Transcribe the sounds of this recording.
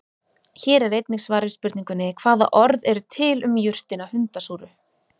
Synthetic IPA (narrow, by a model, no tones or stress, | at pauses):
çɛːɾɛɾejt̪niksvaːɾɪspʏɾt̪niŋkʏnɪkʰv̥aːða̰ʔɔɾðɛɾʏt̪ʰɪlʏmjʏr̥t̪ɪnahʏnt̪asuːɾʏ